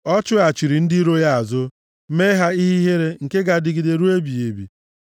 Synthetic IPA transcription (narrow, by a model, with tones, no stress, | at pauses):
ɔ˦t͡ʃʊ˦a˨t͡ʃi˨ɾi˨n̩˦di˦ɾo˦ja˦a˨zʊ˦ | me˦ɦa˦i˦ɦi˦ɦe˦ɾe˦ŋ̩˨ke˦ɡa˨dɪ˨ɡɪ˨de˨ɾu˦e˦bi˨e˨bḭ˨